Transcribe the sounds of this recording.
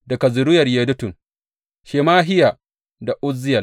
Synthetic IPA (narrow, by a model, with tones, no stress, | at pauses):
da˨kɐ˨zʊ˨ɾʊ˦jɐ˨rjeː˨dʊ˦tʊ˨ŋ | ʃeː˨maː˦ɦɪ˦ja˨ | da˨ʔʊ˦zːɪ˦jɐ˨